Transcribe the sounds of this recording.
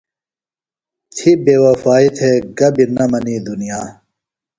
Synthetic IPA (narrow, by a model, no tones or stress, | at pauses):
t̪ʰibeːwɐfaːit̪ʰeɡɐbinɐmɐniːd̪unijaː